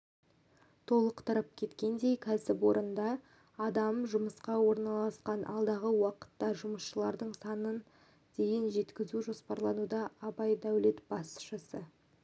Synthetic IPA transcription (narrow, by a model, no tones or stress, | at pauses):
t̪ʰo̞lˠəqt̪ʰəɾəp̚kʲʰe̞t̪kʲe̞nd̪e̞jkʲʰæsɪpwo̞ɾʔənd̪ɑ | ɑd̪ɑmʒʊməsqɑwo̞ɾnɑlˠɑsqɑnʔɑ̰lˠd̪ɑʁəwɑqə̥t̪ːɑʒʊməsʃəlˠɑɾd̪əɴsɑnən | d̪̥e̞jɪnʒe̞t̪kʲɪzuʒo̞spɑɾlˠɑnud̪ɑːbɑjd̪æwle̞t̪bɑsʃəsə